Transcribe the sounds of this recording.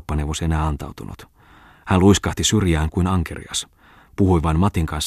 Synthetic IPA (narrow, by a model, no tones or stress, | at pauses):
pːɑneʋosenæːɑnt̪ɑ̰wt̪unʔṵt̪ | hænluiskɑht̪isyrjæːŋkuinɑŋkḛrḭɑ̰s | puhujʋɑinmɑt̪iŋkɑns